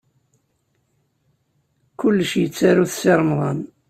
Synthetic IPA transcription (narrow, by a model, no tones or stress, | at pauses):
kʊlːəʃjət͡sːaɾuθseɾˤmðˤɑn